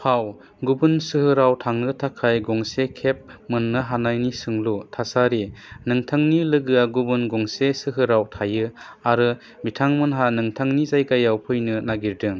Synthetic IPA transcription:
haw | ɡubɯnsɯhɯɾawtʰaŋnɯtʰakʰajɡɔŋsekʰep̚mɯnːɯɦanajnisɯŋlutʰasaɾinɯŋtʰaŋnilɯɡɯaɡubɯnɡɔŋsesɯɦɯɾawtʰajɯ | aɾɯ | bitʰaŋmɯnɦanɯŋtʰaŋnizajɡajawpʰɯjnɯnaɡiɾdɯŋ

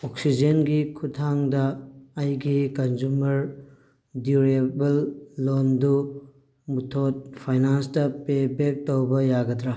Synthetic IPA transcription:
oksid͡ʒenɡikʰutʰaŋdɐːjɡikɐnd͡ʒumɐɾ | duɾebɐlːondu | mutʰot̚pʰajnanstɐpebek̚towbɐjaɡɐdɾa

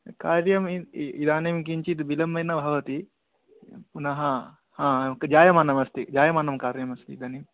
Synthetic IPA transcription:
kaːɾjɐmiid̪aːnemk̬iɲt͡ʃit̪bilɐmːɐjnɐbʱɐʋɐt̪i | punɐɦɐ | hãːkd͡ʒaːjɐmanɐmɐst̪id͡ʒaːjɐmanɐmkaːɾjɐmɐst̪ḭːd̪aːnem

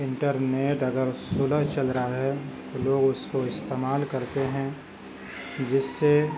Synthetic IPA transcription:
ɪ̃ɳʈəɾneːʈɐɡəɾsʊləɦt͡ʃɐlɾəaɦɛt̪oloːɡʊskoɪst̪eːmaːlkɐɾt̪eɦɛ̃ | d͡ʒɪsːe

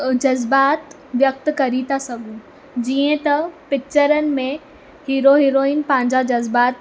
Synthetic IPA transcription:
d͡ʑɐzbaːt̪ | ʋjɐk̚t̪kɐɾit̪ʰasɐɡʱũː | d͡ʑiːə̃t̪ɐpɪt͡ɕəɾənɪ̆mẽ | hiːɾoɦiːɾoːiːnpɐ̃ɦɪ̃ɲd͡ʑad͡ʑɐzbaːt̪

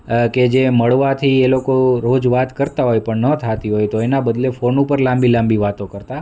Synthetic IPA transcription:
ked͡ʒeməɭʋat̪ʰielokoɾod͡ʒʋat̪kəɾt̪aɦojpəɳnət̪ʰat̪iɦojt̪oenabəd̪lefonupəɾlãmbilãmbiʋat̪õkəɾt̪a

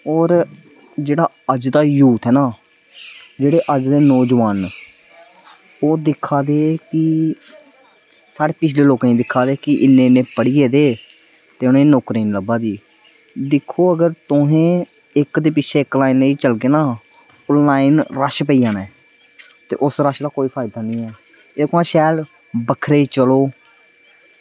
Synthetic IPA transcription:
ɔːɾ | d͡ʒeːɽaː | əd͡ʒd̪aːjuːt̪ɦɛːnaː | d͡ʒeːɽeːʔəd͡ʒd̪eːnɔːd͡ʒʋaːn | oːd̪ɪkʰːaːd̪eːkɪ | saːɽeːpɪt͡ʃʰleːloːkãĩːd̪ɪkʰːaːd̪eːkɪʔɪnːeːnẽːpəɽiːeːd̪eː | t̪eːʊnẽːnoːkɾiːnləbaːd̪iː | d̪ɪkʰːoːəɡəɾt̪ʊɦẽː | ɪkd̪eːpɪt͡ʃʰeːɪklaːinleiːt͡ʃəlɡeːnaː | ʊnlaːɪnɾaʃpəiːjãːnɛː | t̪ḛːʔʊsɾaʃd̪aːkoːiːpʰaːɪd̪aːnĩːɛː | eːkãːʃɛːl | bəkʰɾeːt͡ʃəloː

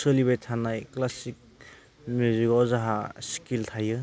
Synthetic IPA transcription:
sɯliβajtʰanajklasik̚ | mjuzikɔzaɦaskiltʰajɯ

